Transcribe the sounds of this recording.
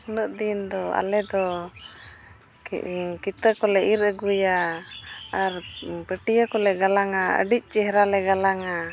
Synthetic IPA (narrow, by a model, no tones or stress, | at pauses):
uləʔ̚d̪ind̪ɔa̰lɛd̪ɔ | kit̪əkɔlɛʔiɾəɡuja | aɾpəʈijəkɔlɛɡalaŋaə̰ɖic̚ˀt͡ʃɛɦɾalɛɡalaŋa